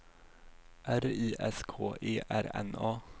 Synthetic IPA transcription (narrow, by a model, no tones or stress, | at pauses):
ʔæɾiːʔɛskʰoːʔeːʔæɾɛ̰nɑː